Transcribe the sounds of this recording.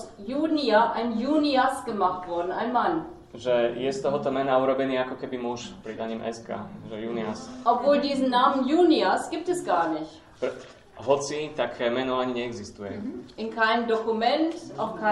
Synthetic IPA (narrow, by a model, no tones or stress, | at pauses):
sjuːniaʔaɪnjuːniasɡ̥əmaχtv̥ɔɐdn̩aɪnman | ʒɛjɛst̪ɔɦɔt̪ɔmɛnauɾɔbɛniːakɔkɛbimuʃpɾid̪aɲimʔɛ̰ska̰ːʒɛjuːniasʔɔpv̥oːldiːzn̩naːmənjuːniasɡ̥iːp̚tɛsɡ̥aːɐnɪçt | pɾ | ɦɔt͡sit̪akʰmɛnɔaɲiɲɛɛɡzist̪ujɛ̰ʔɪnkʰaɪnəmdɔkumɛntʔaʊxkʰa